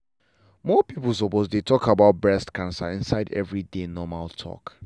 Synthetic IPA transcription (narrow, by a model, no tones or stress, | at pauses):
mɔpiplˠs̬ɔposdetʰɔkabaʊt̚bɹɛstkãnsa̰ĩnsaɪdɛ̰vɹidenɔmaltʰɔ̰k